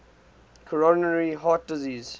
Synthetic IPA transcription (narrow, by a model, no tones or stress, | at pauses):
kʰɔɹɔnəɹiɦaːt̚dɪziːz